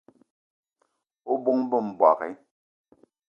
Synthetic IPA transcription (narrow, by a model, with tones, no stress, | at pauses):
o˦bo˦ŋbə˦˨m̩˨ba̰˨ɣɛ̰˨˦